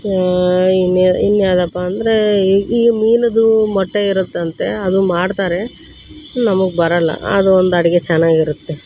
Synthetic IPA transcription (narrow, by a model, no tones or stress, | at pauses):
inainːjaːd̪ɐpːaːnd̪ɐɾe̞iːɡɐmiːlɐd̪umɔʈːeiɾut̪ːɐnt̪e̞ɐd̪umaːɖt̪aːɾe̞ | nɐmɐɡebɐɾɐlːɐ̰ɐ̰d̪uond̪ɐɽiɡet͡ʃɛnːaːɡiɾut̪ːe̞